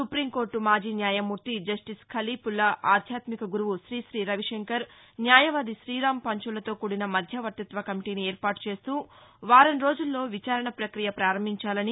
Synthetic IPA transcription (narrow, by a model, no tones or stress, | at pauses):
supɾimko̞ːɾʈumaːd͡ʒiːnjaːjɐmːuɾt̪id͡ʒɐsʈiskʰɐliːpulːɐaːd̪ʱjaːt̪mikɐɡuɾuʋuʃɾiːʃɾiːɾɐʋiʂeŋkɐɾ | njaːjɐʋaːd̪iʃɾiːɾaːmpɐɲt͡ʃulɐt̪o̞ːkuːɽinɐmɐd̪ʱjɐʋɐt̪ːɐt̪ʋɐkɐmiʈiːnieːɾpaːʈu̥t͡ʃe̞ːst̪uːʋaːɾɐnɾo̞ːd͡ʒulːo̞ːʋit͡ʃaːɾɐɳɐpɾɐkɾijɐpɾaːɾɐmbʱiɲt͡ʃaːlɐni